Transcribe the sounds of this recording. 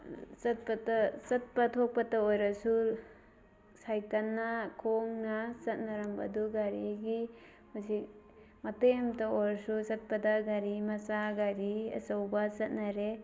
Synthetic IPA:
sɐt̚pɐtɐsɐt̚pɐtʰok̚pɐtɐojɾɐsu | sajkanːɐkʰoŋnɐsɐt̚nɐɾɐmbɐ̰duɡaɾiɡi | husik̚ | mɐtemtɐoɾsusɐt̚pɐdɐɡaɾimɐsaɡaɾiɐ̰sɐwbɐsɐt̚naɾe

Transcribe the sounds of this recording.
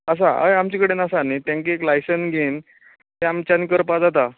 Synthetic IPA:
əs̬aə̰jamt͡ɕikəɽenasanit̪jãŋkieklajsənsɡʱen | t̪eamt͡ɕanikəɾpad͡zat̪a

